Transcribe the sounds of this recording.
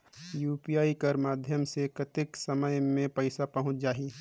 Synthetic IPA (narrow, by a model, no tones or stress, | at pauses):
juːpijaːikəɾmaːd̪ʱjəmsekɐt̪ɪksɐməjmẽpəɪsapɐɦʊ̃t͡ʃd͡ʒaːɦi